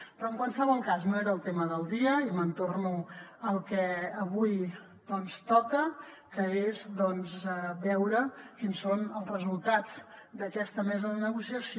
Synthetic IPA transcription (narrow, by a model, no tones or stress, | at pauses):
pɾɔəŋkwalsəβɔlˠkaznoeɾəːlˠt̪eməðəlˠd̪iəimənt̪ornuəlˠkɛəβuj | d̪ɔnst̪ɔkə | kəezd̪ɔnzəbɛwɾəkinsonəlˠzrəzulˠt̪ad͡zd̪əkɛst̪əmɛzəðənəɣusiəs